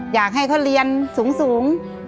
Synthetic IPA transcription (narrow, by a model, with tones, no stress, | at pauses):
jaː˨˩k̚ɦa˥˩jkʰo˧˥˩ɾi˧ənsuː˨˩˦ŋsuː˨˩˦ŋ